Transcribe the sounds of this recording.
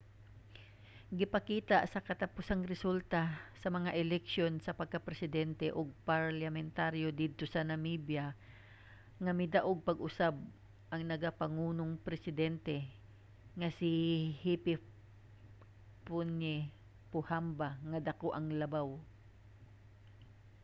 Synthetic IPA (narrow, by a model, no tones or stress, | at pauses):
ɡɪpɐkiːt̪aʔsɐkɐt̪ɐpʊsaŋɾɛsult̪asɐmɐŋaʔɛlɛk̚ʃjo̞nsɐpɐɡ̚kɐpɾɛsɪd̪ɛnt̪ɛʔoɡ̚pɐɹlɐmɛnt̪aɾjo̞d̪id̪̚t̪o̞sɐnɐmibja | ŋɐmɪd̪ɐʔoɡ̚pɐɡʔʊsab̚ | ʔɐŋnɐɡapɐŋuːno̞ŋpɾɛsɪd̪ɛnt̪ɛ | ŋɐsɪhipɪ | pʊnɛ | pʊhambaŋɐd̪ɐko̞ʔɐŋlɐbaw